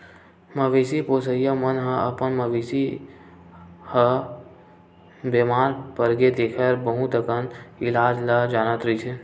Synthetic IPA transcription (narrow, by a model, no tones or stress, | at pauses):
mɐʋeːsipoːsəjəmənɦə̃əpənmɐʋeːsi | hə | bemaːɾpəɾɡed̪eːkʰəɾbəɦũt̪əkənɪlaːd͡ʒlad͡ʒaːnət̪ɾit͡ʃʰe